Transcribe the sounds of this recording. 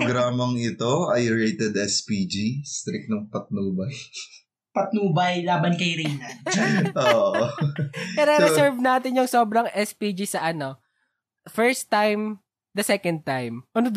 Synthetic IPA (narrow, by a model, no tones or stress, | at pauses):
ɡɾaːmɐŋɪt̪oɐ̰jɹejt̪ɛd̪ɛspid͡ʒist̪ɾɪk̚nɐŋpɐt̪̚nuːbɐj | pɐt̪̚nuːbɐjlaːbɐnkɐjɾɪn | ʔoʔ | ɛɾɛɾɛsɛɹvnaːt̪ɪnjʊŋso̞ːbɾɐŋʔɛspid͡ʒisɐʔɐno̞ | fɛɹst̪ːajm | d̪ɐsɛkɐnd̪̚t̪ajmʔɐnod̪